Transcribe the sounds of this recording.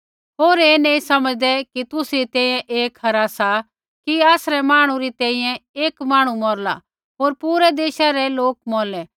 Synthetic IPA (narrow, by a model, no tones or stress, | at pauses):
ɦoːɾeːnẽːĩsɐməd͡ʒd̪ɛkit̪ʊsit̪ɛ̃ːĩjɛ̃ʔeːkʰɐɾasa | kiaːsɾɛmaːɽ̃ũɾit̪ɛ̃ːĩjɛ̃eːkmaːɽ̃umɔːɾla̰ | ɦoːɾpuːɾɛd̪eːʃaɾɛloːk̚mɔːlɛ